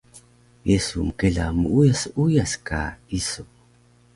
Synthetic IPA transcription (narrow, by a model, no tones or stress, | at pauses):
jesuməkeɮamuujasujaska̰iso